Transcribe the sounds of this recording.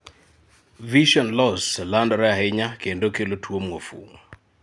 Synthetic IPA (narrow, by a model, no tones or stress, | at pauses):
viʃɔnlɔslandɔɾɛaɦɪɲakendokelotʰwomŋofṵŋo